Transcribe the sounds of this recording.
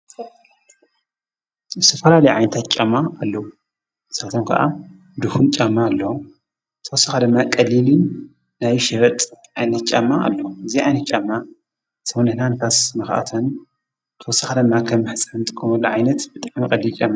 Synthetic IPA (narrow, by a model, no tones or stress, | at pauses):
bɨt̪ʰɐfɐlalɐjʕa̰jnɐt̪ʰat̪̚t͡ʃʼamːaalːɐwu | ɨsat̪ʰomkʰɐ̰ʔa̰ | d̪uhunt͡ʃʼamːaːlːɐwu | t̪ʰɐwɔsaxad̪ɨmːakʼɐlːili | najʃɐɾɐt̪ʼʕajnɐt̪̚t͡ʃʼamːaa̰lːɐwuɨziʕajnɐt̪t͡ʃʼamːa | sʰɐwnɨhnanfasmɐxʔa̰t̪ʰon | t̪ʰɐwɔsːaxad̪ɨmːakʰɐmːɨħɨt͡sʼaɨnt̪ʼɨkʼːɐmulːuʕajnɐt̪bɨt̪ʼaʕmikʼɐlːit͡ʃʼamːa